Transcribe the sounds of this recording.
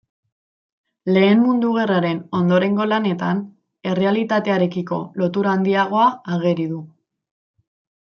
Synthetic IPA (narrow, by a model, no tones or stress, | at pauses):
le̞ːmmund̪uɣ̞e̞raɾe̞no̞nd̪o̞ɾe̞ŋɡo̞lane̞t̪an | e̞re̞alit̪at̪e̞aɾe̞kiko̞lo̞t̪uɾaːnd̪iaɣ̞o̞aaɣe̞ɾiðu